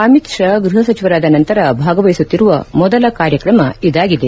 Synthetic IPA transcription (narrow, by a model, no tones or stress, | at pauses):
ɐmit̪ʂɐɡɾuɦɐsɐt͡ʃiʋɐɾaːd̪ɐnɐnt̪ɐɾɐbʱaːɡɐʋɐjisut̪ːiɾuʋɐmɔd̪ɐlɐkaːɾjɐkɾɐmɐid̪aːɡid̪e